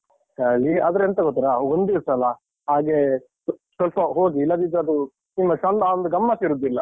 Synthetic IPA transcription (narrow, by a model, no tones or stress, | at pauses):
kaːɭiɐd̪ɾeent̪ɐɡot̪ːiɾaond̪iɾsɐlɐ | ɦaːɡe | sɐlpɐɦoːɡiːlːɐd̪id̪ɐd̪u | nimːɐsɐnd̪aond̪uɡɐmːɐsiɾud̪ːilːɐ